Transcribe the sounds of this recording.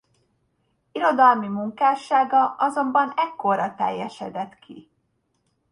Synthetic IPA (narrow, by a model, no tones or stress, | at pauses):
iɾo̞d̪ɒlmimuŋkaːʃaːɡɒʔɒzo̞mbɒnɛkːo̞rɒt̪ɛ̰jːɛʃɛd̪ɛt̪kʰḭ